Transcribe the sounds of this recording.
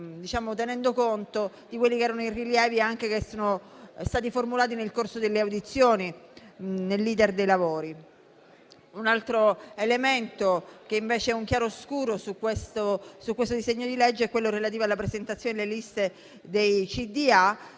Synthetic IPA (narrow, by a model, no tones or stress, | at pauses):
d̪it͡ʃaːmot̪enɛnd̪okont̪o | d̪ikwelːikeɛːɾanoiriljɛːviaŋk̟ekesoːnost̪aːt̪iformulaːt̪̬inelkorsod̪elːeawd̪it̪sːjoːni | nelːiːd̪erd̪ejlavoːɾi | unalt̪ɾoelement̪ok̟eiɱveːt͡ʃeɛuŋkjaːɾoskuːɾosukːwest̪osukwest̪od̪izeɲːod̪iled͡ʒːeɛkwelːoɾelat̪̬iːvoalːapɾezent̪at̪sjoːnelelist̪e | d̪ejt͡ʃid̪ia